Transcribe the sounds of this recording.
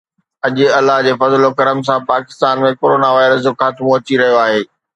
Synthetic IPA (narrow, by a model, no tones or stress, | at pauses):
ɐʄʊɐlːaɦd͡ʑeːfɐzlokɐɾəms̬ãpaːkɪ̥st̪aːnmẽkoːɾoːnaʋaːɪɾəs̬d͡ʑoːxaːt̪mõɐt͡ɕiɾɐɦijoaːɦeː